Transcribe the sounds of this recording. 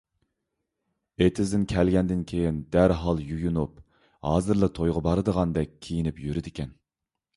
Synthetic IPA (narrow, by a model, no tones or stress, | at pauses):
et̪ʰɪzd̪ɪnkʲʰɛlɡʲɛnd̪ɪnkʲʰejind̪æɾɦɑlˠjujunup | hɑːzɨɾlˠɨt̪ʰojʁɑbɑɾɨd̪əʁɑnd̪ɛk̚ʲʰːijinɪpjyɾɪd̪ɪkʲʰɛn